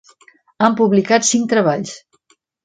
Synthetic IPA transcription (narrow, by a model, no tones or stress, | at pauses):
ampuβlikat̪siŋkt̪ɾəβaʎs